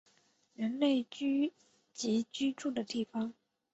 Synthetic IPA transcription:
ɻə˧˥nle˥˩ɪt͡ɕy˥ | t͡ɕi˧˥t͡ɕy˥ʈ͡ʂu˥˩d̪ə˩t̪i˥˩fɑ˧˥ŋ

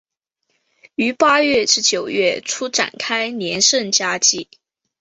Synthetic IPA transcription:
y˧˥pa˥ɥɛ˥˧ʈ͡ʂɻ̩˥t͡ɕjo˨˩ʊɥɛ˥˩ʈ͡ʂʰu˥ʈ͡ʂa̰˨˩nkʰa˥ɪnjɛ˧˥nʂə˥˧˩nt͡ɕja˥t͡ɕi˥˩

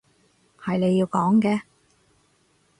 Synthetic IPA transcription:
hɐ˨jne˨˧jːiː˧wkɔː˨˥ŋkɛː˧

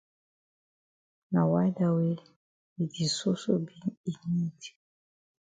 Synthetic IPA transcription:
na˨wa˦jda˨we˦ | bi˨di˨so˦so˦bi˦ni˨ni˦ti̥˨

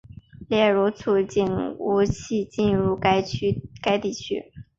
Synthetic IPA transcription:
ljɛ˥˩ɻu˧˥t͡sʰu˥˩t͡ɕi˥˩nu˧˥t͡ɕʰi˥˧t͡ɕi˥˧nɻu˥˩˥ka˥ɪt̪i˥˩t͡ɕʰy̰˥

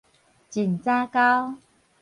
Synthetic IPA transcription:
t͡ɕi˨˩nt͡sa˦ka˦w

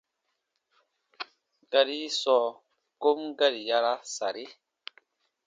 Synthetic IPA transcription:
ɡa˦ɾi˦sɔ˨˦ | ko˦mɡa˦ɾi˨ja˦ɾa˦sa˨ɾi˦

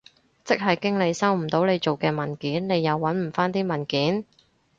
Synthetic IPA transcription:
t͡sɪ˥k̚ɦɐ˨jkɪ˥ŋle˨˧jsɐ˥wm̩˨˩t̪o˨˥wne˨˧jt͡ʃo˨wkɛː˧mɐ˨˩nkiː˨˥nne˨˧jːɐ˨˧wːɐ˨˥nm̩˨˩faː˥nt̪iː˥mɐ˨˩nkiː˨˥n

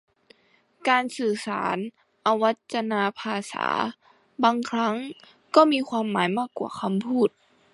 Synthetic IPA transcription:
kaː˨˧nsɯː˨˩sa̰ː˩˦n | ʔa˧wa˦˥t̪̚t͡ɕa˧naː˧pʰaː˧sa̰ː˩˦ | baː˧ŋkʰɾa˦˥ŋ | kɔː˥˩miː˧˥˧xʰwaː˧mːaː˩˦jmaː˥˩kːwa̰ː˧˩kʰa˧mpʰuː˥˩t̪̚

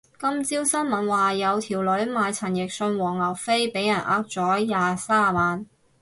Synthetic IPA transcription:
kɐ˥mt͡si˥wsɐ˥nmɐ˨nwaː˨jɐ˨˧wt̪ʰiː˨˩wlɵ˨˥ɥmaː˨˧jt͡sʰɐ˨˩njɪ˨k̚sɵ˧nwɔː˨˩ŋlɐ˨˩wfe˥jpe˨˥jɐ˨˩nʔa̰ː˧˥k̚t͡sɔː˨˥jaː˨saː˥maː˨˧n

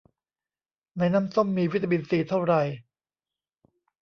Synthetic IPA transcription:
na˧jna˦˥˨mso˥˩mːiː˧wi˦˥t̪ʰːa˧mi˧nsiː˨˩t̪ʰa˥˩wɾa˧j

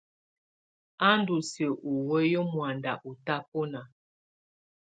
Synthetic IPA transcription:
a˦ndu˨sə˨ʔu˨we˦jo˦mwa˨nda˨ʔu˨ta˦po˦na˨

